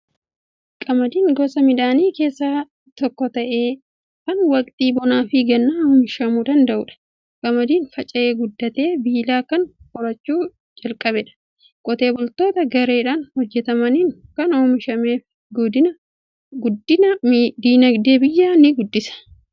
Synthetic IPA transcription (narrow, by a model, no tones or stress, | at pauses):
kʼɐmɐd̪iːŋɡɔsɐmɪd̪aːniːke̞ːsːaː | t̪ɔkːɔt̪ɐʔe̞ː | kɐnwɐkʼt̪ʼiːbɔnaːfɪɡɐnːaːɔmɪʃɐmuːd̪ɐnd̪ɐʔʊᶑɐ̥ | kʼɐmɐd̪iːnfɐt͡ʃʼɐeːɡʊd̪ːɐt̪e̞ːbiːlaːkɐnkʼɔɾɐt͡ʃːuː | d͡ʒɐlkʼɐbɛᶑɐ̥ | kʼɔt̪e̞ːbɔlt̪o̞ːt̪ɐɡɐɾe̞ːᶑaːnhɔd͡ʒːɛt̪ɐmɐniːŋkɐnomɪʃɐmeːf | ɡʊd̪ɪnɐ | ɡʊd̪ːɪnɐd̪iːnɐɡd̪e̞ːbɪjːaːnɪɡʊd̪ːɪsɐ̥